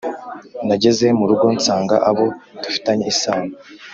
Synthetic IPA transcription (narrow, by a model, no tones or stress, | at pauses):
naɟe̞ze̞muɾuɡo̞nt͡saːŋɡa̰ʔaβo̞d̥ufi̥taɲe̞isaːna